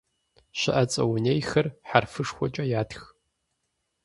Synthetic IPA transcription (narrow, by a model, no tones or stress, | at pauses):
ʃɐ̰ʔɐt͡sʼɐ̰wʊnejxɐrħarfɨʂxʷɔt͡ʃʼɐjaːtx